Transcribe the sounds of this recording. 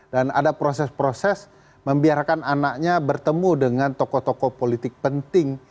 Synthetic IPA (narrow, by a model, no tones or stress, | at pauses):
dana̰dapɾosɛspɾosɛs | məmbiarkananak̚ɲabərt̪əmudəŋant̪okɔt̪okopolit̪ɪk̚pənt̪ɪŋ